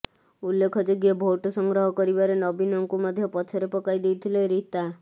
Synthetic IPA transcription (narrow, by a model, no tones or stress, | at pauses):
ulːekʰɔd͡ʒoɡjɔbʱoʈɔsɔŋɡɾɔɦɔkɔɾibaɾenɔbinɔŋkumɔd̪ʱjɔpɔt͡ʃʰɔɾepɔkajd̪ejt̪ʰileɾit̪a